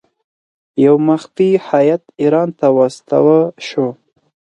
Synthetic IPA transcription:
jawmaxfihajat̪iɾɑnt̪awɑst̪a̰wəʃo

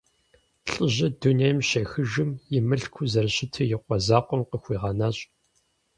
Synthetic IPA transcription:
ɬʼɨʑɐdunejmʃɐxɨʒɨmjɪmɨɬkʷʰuzɐrɕɪtʰɐjɪqʷɔzaːqʷɔmqəxʷiːʁɑːnaːɕʼ

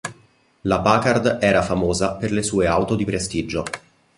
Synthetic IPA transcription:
lapakard̪ɛːɾafamoːzaperlesuːeawt̪od̪ipɾest̪id͡ʒo

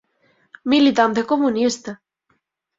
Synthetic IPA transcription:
milit̪ant̪̬ekomunist̪a

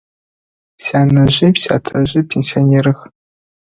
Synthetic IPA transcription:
saːnɐʑɪpsʲa̰ːtʰɐʑɪpʰenʲsioneːɾɨx

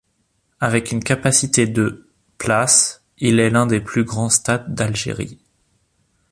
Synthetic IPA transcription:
avɛkynkapasit̪ed̪ə | plas | ilɛlɛ̃d̪eplyɡʁɑ̃st̪ad̪ːalʒḛʁḭ

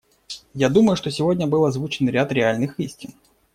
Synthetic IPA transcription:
jad̪uməjʊʂt̪o̞sʲɪvo̞dʲnʲəbɨlˠəazvut͡ɕɪnɾʲat̪ɾʲɪalʲnɨxisʲtʲɪn

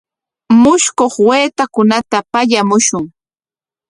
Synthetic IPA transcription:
mʊʃkoχweːt̪akʊnat̪apaʎamʊʃʊŋ

